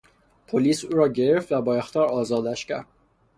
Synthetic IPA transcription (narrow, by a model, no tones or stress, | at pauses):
pʰoliːsuːɾɒːɟe̞ɾeft̪væbɒːext̪ʰɒːɾɒːzɒːd̪æʃcʰæ̰ɾd̪̥̚